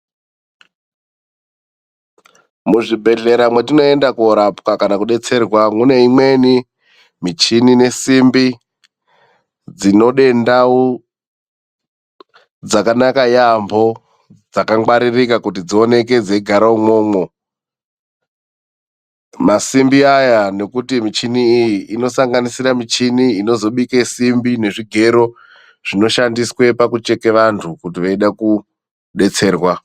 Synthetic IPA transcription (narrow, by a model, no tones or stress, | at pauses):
muʐibʱe̞ɮe̞ɾamwetino̞e̞ndakuoɾapkakanakuɗe̞t͡se̞rwamune̞imwe̞ni | mit͡ʃinine̞simbi | d͡zino̞ɗe̞ndau | d͡zakanakajambʱo̞ | d͡zakaŋwaɾirikakutid͡zio̞ne̞k̬e̞d͡zeiɡʱaɾaumo̞ːmo̞ | masimbiajane̞kutimit͡ʃiniːjiʔːno̞saŋɡanisiɾamit͡ʃiniino̞zo̞ɓikesimbine̞ʐiɡʱe̞ɾo̞ | ʐ̥ino̞ʃandiswe̞pakut͡ʃe̞ke̞ʋantʰukutiʋaiɗaku | ɗe̞t͡se̞ːrwa